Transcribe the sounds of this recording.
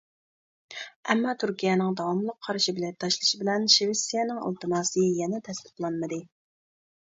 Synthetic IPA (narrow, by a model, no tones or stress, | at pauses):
ɛmːɑt̪ʰyɾkʲijɛnɪŋd̪ɑwɑmlˠəqʰːɑɾʃibɪlɛt̪ʰɑʃlˠɨʃibɪlɛnʃewɪsijɛnɪŋɑ̰lˠt̪ɨnɑːsɨjɛnɛt̪ʰɛst̪ɪ̥p̪lˠɑnmɨd̪ɨ